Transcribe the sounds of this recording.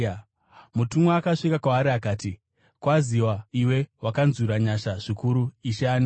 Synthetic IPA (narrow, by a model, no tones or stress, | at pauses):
mutumweakaʂikakwaːɾiakaːti | kwaziwaiwe̞wakanzuɾaɲaʃaʐ̥ikuɾuiʃeaːni